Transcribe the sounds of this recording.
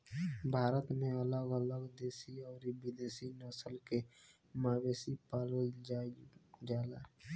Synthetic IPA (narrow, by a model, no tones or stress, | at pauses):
bʱaːɾət̪mẽələɡələɡd̪eːsiɔːɾibɪd̪eːsinɔːsəlke | maːweːsipaːld͡ʒad͡ʒaːlaː